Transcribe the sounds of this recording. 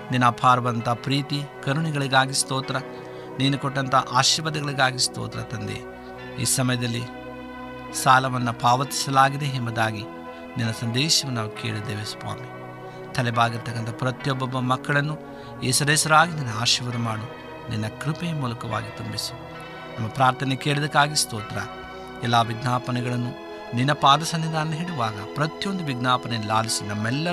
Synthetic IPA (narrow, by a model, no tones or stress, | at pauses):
ninːɐpʰaːɾɐʋɐnt̪ɐpɾiːt̪ikɐɾuɳiɡɐɭiɡaːɡist̪ɔːt̪ɐɾɐ | niːnukɔʈːɐnt̪ɐʔaːʃiːʋɐd̪ɐɡɐɭiɡaːɡist̪ɔ̰ːt̪ɐɾɐt̪ɐnd̪ḛ | ḭːsɐmɐjɐd̪ɐlːi | saːlɐʋɐnːɐpaːʋɐt̪i̥sɐlaːɡid̪eɦembud̪aːɡi | ninːɐsɐnd̪ɛːʃɐʋunaːʋukeːɭid̪eːʋespa̰ːmi | t̪ʰɐlɛbaːɡiɾt̪ɐkːɐnt̪ʰɐpɾɐt̪jɔbːɐbːɐmɐkːɐɭɐnːu | esɐɾeːsɐɾaːɡininːɐaːʃiʋɐɾɐmaːɳu | ninːɐkɾipejɐmuːlɐkɐʋa̰ːɡit̪umbisu̥ | nɐmːɐpɾaːɾt̪ʰɐnekeːɭid̪ɐkːaːɡist̪oːt̪ɾɐ̰ | ɛlːaːʋiɡnaːpɐnɛɡɐɭɐnːu | ninːɐpaːd̪ɐsɐnːid̪ʱaːɾɐnːɐɦiɽuʋaːɡɐpɾɐt̪jo̞nd̪uʋiɡnaːpɐnɛlaːlisinɐmːɛlːɐ